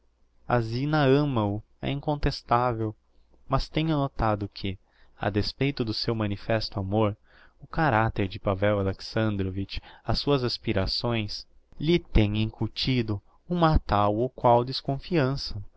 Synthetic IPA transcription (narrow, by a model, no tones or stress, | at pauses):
a̰zinɐɐ̃mɐʊ | ɛ̰ĩŋkõnt̪est̪avew | mɐst̪ẽɲʊnot̪ad̪ʊkʰɪ | a̰d̪espejt̪ʊd̪ʊsewmɐ̃nifɛst̪ʊamoɾ | ʊkaɾat̪eɾd͡ʒɪpavɛwaleksɐ̃nd̪ɾovit͡ʃɐsːuɐzaspiɾasõj̃s | lɪt̪ẽj̃ẽŋkuɾt͡ʃid̪ʊ | ũmat̪awokwawd̪eskõfiɐ̃sɐ